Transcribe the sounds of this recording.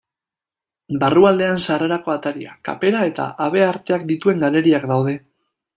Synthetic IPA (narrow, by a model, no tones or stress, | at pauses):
baruald̪e̞ansareɾako̞at̪aɾia̰ka̰pe̞ɾae̞t̪a̰ʔaβ̞e̞aɾt̪e̞akd̪it̪ue̞ŋɡale̞ɾiakd̪awð̞e̞